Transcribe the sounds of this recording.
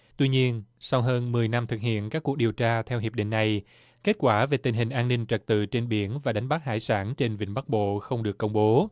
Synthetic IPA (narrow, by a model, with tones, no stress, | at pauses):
t̪wi˧ɲi˧ənsa˧wɦəː˧nmɨ˨˩əjna˧mt̪ʰɨ˨˩k̚hḭ˧˨ənkaː˦˥kːu˨˩ək̚ɗi˨˩əwt͡ɕaː˧t̪ʰɛ˧wɦi˨˩əp̚ɗḭ˧˨ŋ̟na˨˩j | ke˦˥t̚kwaː˧˩ve˨˩t̪ï˨˩ŋɦhï˨˩ŋ̟ʔaː˧nːï˧ŋ̟t͡ɕə˨˩k̚t̪ɨ̰˧˨t͡ɕe˧nɓi˧˩ənvaː˨˩ɗa˨˦ŋ̟ɓa˦˥k̚ha̰ː˧˥˩jsaː˧˩nt͡ɕe˧nvḭ˧˨ŋ̟ɓa˦˥k̚ɓo̰˧˨xə˧wŋ͡mɗɨ˨˩əkːə˧wŋ͡mɓo˨˦